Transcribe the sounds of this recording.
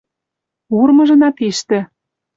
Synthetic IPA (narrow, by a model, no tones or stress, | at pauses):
urmɤ̆ʒɤ̆nɑt̪eʃt̪ɘ̆